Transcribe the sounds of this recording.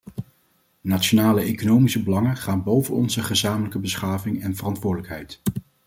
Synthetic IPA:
nat͡ʃonaːləejkonowmisəbəlɑŋəχaːnbowvənɔ̰nzəχəzaːmələkəbəsχaːvɪŋɛnvərɑntʋʊːdələkɦɛjt

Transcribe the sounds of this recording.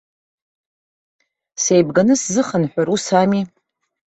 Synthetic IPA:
sejbɡanɨszɨχənħʷaɾusami

